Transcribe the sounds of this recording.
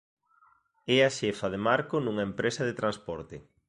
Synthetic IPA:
ɛaʃɛfɐðemaɾkʊnuŋɐempɾʔesɐðet̪ɾanspɔɾt̪ɪ

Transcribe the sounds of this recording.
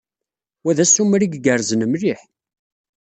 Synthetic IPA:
wæðæsumɾiɡɡəɾzənəmɾiħ

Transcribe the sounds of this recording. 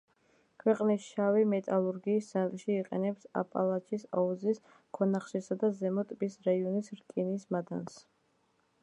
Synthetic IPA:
kʰwɛqʼnisʃavimɛt̪ʼalˠuɾɡiːsːat̪ʼʃiːqʼɛ̰nɛpsa̰pʼa̰lˠat͡ʃʰisa̰ɔzis | kʰɔnaχʃisad̪azɛmɔt̪ʼbisɾaiɔnisɾkʼinismad̪a̰ns

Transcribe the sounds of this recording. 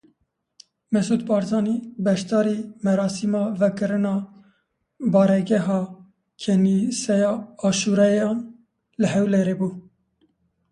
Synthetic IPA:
mɛsuːd̪bɑːɾzɑːniːbɛʃt̪ɑːɾiːmɛɾɑːsimɑːvɛkɨɾɨnɑː | bɑːɾɛɡɛɦɑː | kʰɛnisɛjɑːɑːʃuɾɛjɑːn | lɨɦɛwleɾeːbuː

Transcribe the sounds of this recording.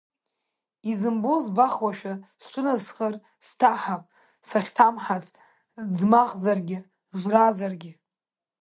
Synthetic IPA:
izɨmbozbaχwaʃᶣast͡ʃʷʰʊnazχər | stʰaħapʼ | saχʲtʰamħat͡sʼ | d͡zmaʁzarɡʲɪ | ʒʷrazarɡʲɪ

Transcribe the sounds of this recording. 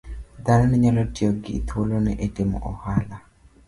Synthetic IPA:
d̪anɔnɛɲalɔtɪɔɡɪt̪ʰwolonɛʔetɪmɔ̰ʔɔhala

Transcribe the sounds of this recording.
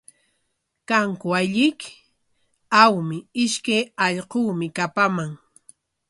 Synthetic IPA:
kaŋkʊaʎɪk | awmɪɪʃkajɑʎquːmɪkapamaŋ

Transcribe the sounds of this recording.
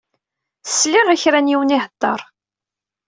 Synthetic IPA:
θsːliɾæçɾænjiwəniɦəd̪ˤːɑ̰ɾˤ

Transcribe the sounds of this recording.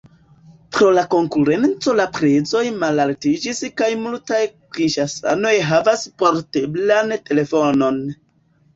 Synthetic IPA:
pɾo̞lako̞ŋkuɾe̞nt͡so̞lapɾe̞zo̞jmalaltid͡ʒiskajmultajkɾinʃasa̰no̞jɦavaspoɾteblante̞le̞fo̞no̞n

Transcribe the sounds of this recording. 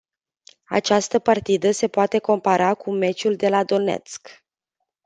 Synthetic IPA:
a̰t͡ʃast̪əpart̪id̪əse̞poat̪e̞ko̞mpaɾakume̞t͡ʃuld̪e̞lad̪o̞ne̞̰t̪sk

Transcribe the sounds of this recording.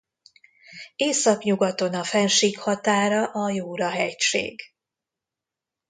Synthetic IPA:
eːsɒkɲuɡɒt̪o̞nɒfɛnʃiːkhɒt̪aːɾɒʔɒjuːɾɒɦɛcʃḛːɡ

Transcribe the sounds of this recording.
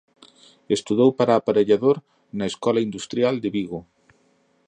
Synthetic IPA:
est̪uðowpaɾaːpaɾeʎaðoɾ | nɐeskɔlaind̪ust̪ɾjald̪eβiɣo

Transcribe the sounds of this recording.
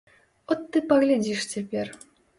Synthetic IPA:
ɔt̪ːɨpɐɣlʲadʲiʂtʲepʲerʲ

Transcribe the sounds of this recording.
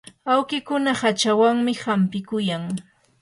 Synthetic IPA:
awkɪkʊnahat͡ʃawaŋmɪhampɪkʊjaŋ

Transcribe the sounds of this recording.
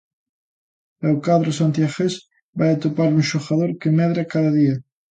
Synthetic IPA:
ewkaðɾosant̪iaxes | bajat̪opaɾuŋʃoxaðoɾkemɛðɾakaðɐðiɐ

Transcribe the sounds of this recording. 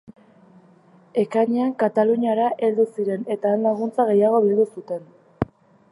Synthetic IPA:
e̞kaɲeaŋkat̪aluɲaɾaʔe̞ld̪usiɾe̞ne̞t̪aːnlaɣ̞unt͡saɣ̞e̞jaɣ̞o̞βild̪usut̪e̞n

